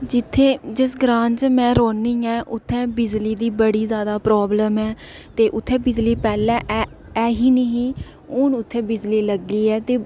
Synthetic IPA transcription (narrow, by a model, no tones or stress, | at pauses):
d͡ʒɪt̪ʰːeːd͡ʒɪsɡɾãːɲd͡ʒmɛ̃ːɾoːniːɛ̃ːʔʊt̪ʰːɛ̃ːbɪd͡ʒliːd̪iːbəɽiːzjaːd̪aːpɾɔːbləmɛː | t̪eːʔʊt̪ʰːɛ̃ːbɪd͡ʒliːpɛːlɛ̃ːʔɛː | ɛːɦiːneɦĩː | ʊnʊt̪ʰːẽːbɪd͡ʒliːləɡːiːɛːt̪eː